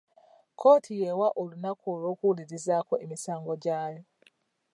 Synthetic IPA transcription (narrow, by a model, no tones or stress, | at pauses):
kʰoːtʰijewaʔolunakolokuliɾizakoʔemisaːŋɡo̞ɟaːjo